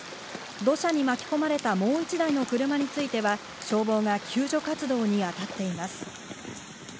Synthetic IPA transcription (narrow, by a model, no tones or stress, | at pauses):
d̪o̞ɕaɲ̟imakʲi̥ko̞maɾe̞t̪amo̞ːit͡ɕid̪aino̞kɯ̟ɾɯ̟maɲ̟it͡sɨit̪e̞βa | ɕo̞ːbo̞ːɡakʲʰɨːʑo̞kat͡sɨd̪o̞ːɲ̟iat̪at̪ːe̞imasɨ̥